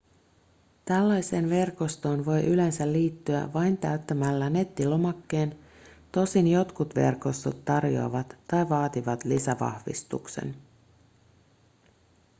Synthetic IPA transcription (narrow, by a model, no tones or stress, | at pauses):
t̪ælːɑjse̞ːnʋe̞rko̞st̪o̞ːnʋo̞jʔyle̞nsælːiːt̪ːyæ̰ʋɑjnt̪æ̰yt̪ːæmælːæne̞t̪ːilo̞mɑkːeːn | t̪o̞sinjo̞t̪kut̪ʋe̞̰rko̞st̪ot̪ːɑrjo̞̰ɑ̰ʋɑt̪ːɑjʋɑːt̪iʋɑt̪lisæʋɑ̰hʋḭst̪ṵksḛn